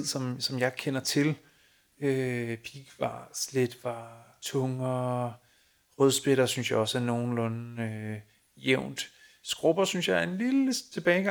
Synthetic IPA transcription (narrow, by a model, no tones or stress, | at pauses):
ð̰ˠsɒ̽msɒ̽mjɑ̈ɪkʰenɐt͡sʰe̝l | øpʰiɡ̥ʋɑ̈sle̝d̥ʋɑ̈t͡sʰɔ̽ŋɐ | ʁœð̞ˠsb̥e̝ɾ̥ɐsynsjɑ̈ɒ̽sæno̝ːn̩lɔ̽n̩ø | jeʊ̰nd̥ | sɡ̥ʁɔb̥ɐsynsjɑ̈ɪæɐe̝nlilət͡sʰe̝b̥ɛːɪɡ̥ɑ